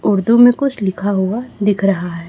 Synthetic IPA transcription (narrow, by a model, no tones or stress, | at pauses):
ʊɾd̪umẽkʊt͡ʃʰlɪkʰaɦuad̪ɪkʰɾɐɦaɦɛː